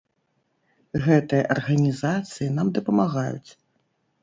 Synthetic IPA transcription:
ɣɛt̪ɨjɐʔɐrɣɐnʲizat̪sɨjinamd̪ɐpɐmaɣajṵt͡sʲ

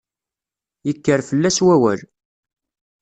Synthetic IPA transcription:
jəkːəɾfəlːæswæwæl

